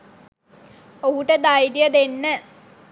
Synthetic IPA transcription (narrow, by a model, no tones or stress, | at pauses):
oɦuʈəd̪ajɖijəd̪enːə